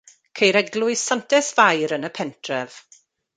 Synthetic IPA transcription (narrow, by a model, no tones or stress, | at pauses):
kʰejɾɛɡlˠʊɨsantʰɛsvajɾənəpʰɛntʰrɛv̥